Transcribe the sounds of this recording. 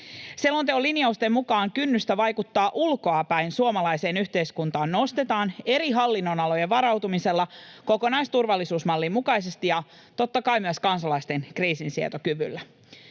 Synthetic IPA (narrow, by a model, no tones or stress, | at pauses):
selont̪eolːiniɑust̪e̞mmukɑːŋkynːyst̪æʋɑjkut̪ːɑːʔulko̞ɑpæjnsuomɑlɑjse̞ːnyçt̪e̞jskunt̪ɑːnːo̞st̪e̞t̪ɑːne̞ɾiɦɑlːinːo̞nɑlo̞jeʋɑɾɑwt̪umise̞lːɑko̞ko̞nɑjst̪urʋɑlːisuːsmɑlːimmukɑjs̬e̞st̪ijɑ | t̪o̞t̪ːɑkɑjmyəskɑnsɑlɑjst̪e̞nkriːsinsiḛt̪okyʋy̰lːæ